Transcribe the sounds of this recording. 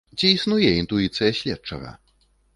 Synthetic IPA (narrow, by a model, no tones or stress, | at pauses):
t͡sʲiisnujɛint̪uit̪sɨjɐɕʲlʲɛtt͡ʂɐ̰ɣɐ̰